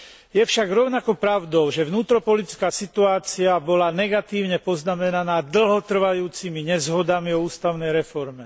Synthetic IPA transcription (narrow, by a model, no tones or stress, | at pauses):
jɛfʃaɡɾɔʊnakɔpɾaʊd̪ɔʊʒɛʋnuːt̪ɾɔpɔlit͡skaːsit̪uaːt͡siabɔlanɛɡat̪iːʊɲɛpɔznamɛnanaːd̪l̩ɦɔt̪r̩ʋajuːt͡simiɲɛzɦɔd̪amiɔuːst̪aʊnɛjɾɛfɔɾmɛ